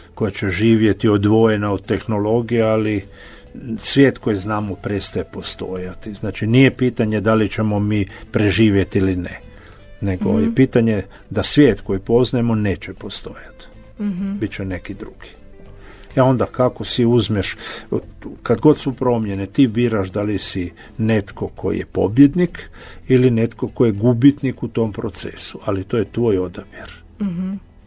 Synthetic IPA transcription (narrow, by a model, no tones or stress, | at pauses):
kojat͡ɕeʒiːʋje̞t̪iod̪ʋo̞jenaod̪̚t̪e̞xnolo̞ɡijeali | sʋʲje̞ːt̪ko̞jiznaːmopɾest̪ajepo̞st̪o̞jat̪iznaːt͡ʃiniːjepiːt̪aɲed̪alit͡ʃe̞mo̞miːpɾeʒiːʋje̞t̪iline | ne̞ɡo̰jepiːt̪aɲe̞ | d̪asʋje̞ːt̪ko̞jipo̞znajemo̞ne̞ːt͡ɕepost̪o̞jat̪ | bit̪t͡ʃene̞kid̪ɾuɡ̥i̥ | ao̞nd̪akako̞siuzmeʃ | kad̪ɡo̞t̪supɾo̞mjenet̪ibiːɾaʃd̪alisi | ne̞t̪ko̞kʰo̞̰ḭjepo̞̰bje̞d̪nikiline̞t̪kokojeɡubit̪nikut̪ompɾot̪sḛsualit̪oːjet̪ʋoːjo̞d̪abjeɾ